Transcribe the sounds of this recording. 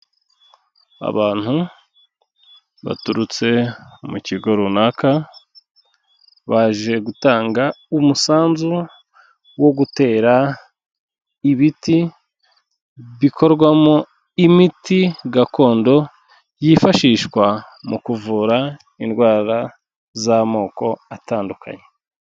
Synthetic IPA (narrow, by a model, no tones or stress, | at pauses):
a̰βaːn̥hu | βa̰tuɾut͡se̞muciɡo̞ɾunaːka | βaʒe̞ɡutaːŋɡaumusaːnzu | wo̞ɡute̞ːɾa | iβiti | βikʰo̞ɾɡwamo | imitiɡakʰo̞ːndo̞ | jifaʃiːʃkwa | mukuvuɾa | indwaːɾa | zamo̞ːko̞ataːndukʰa̰ɲe